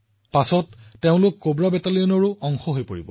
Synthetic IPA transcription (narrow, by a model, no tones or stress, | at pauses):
pasɔtːeʊ̃lʊkːobɹabɛtalijɔnɔɹʊɔŋxɔɦojpoɹḭbɔ